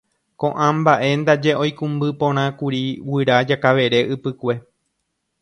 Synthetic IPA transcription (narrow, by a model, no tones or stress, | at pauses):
kõ̞ʔãmbaʔe̞nd̪ad͡ʒe̞ʔõ̞jkũmbɨpõ̞ɾ̃ãkuɾiwɨɾad͡ʒakaʋe̞ɾe̞ʔɨpɨkʷe̞